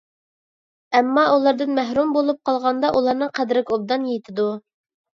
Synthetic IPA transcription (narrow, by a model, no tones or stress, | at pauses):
ɛmːɑulˠɑɾd̪ɨnmæɦɾumbolˠup̚qʰɑlˠʁɑnd̪ɑʔulˠɑɾnɨqʰæd̪ɾɪkʰʲob̚d̪ɑnjet̪ʰɪd̪u